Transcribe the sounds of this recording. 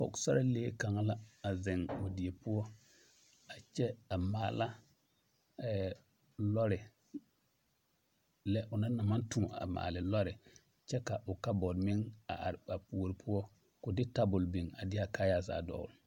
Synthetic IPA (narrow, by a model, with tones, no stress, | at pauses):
fɔ̰˨ksa˦ɾa˦leː˦ka˨ŋa˦la˦a˨zɪ˨ŋʊ˨dɪ˨e˨pʊ˦ɔ˦ | a˨t͡ʃɛ˦a˨maː˨la˦ | ɛ˨ | lɔ˦ɾɪ˨ | lɛ˦ʔʊ˨na˦na˨ma˦ntũ˨a̰˨ma̰ː˨lɪ˨lɔ˦ɾɪ˨ | t͡ʃɛ˦ka˨ʔʊ˨ka˦bɔ˨dmɪ˦ŋa̰˨ɾa˨pu˨o˨ɾpʰʊ˦ɔ˦ | kʊ˨dɪ˦ta˦bʊ˨lbi˨ŋa̰˨dɪ˦a˨ka˦ja˦˨za̰ː˨dɔ̰˨l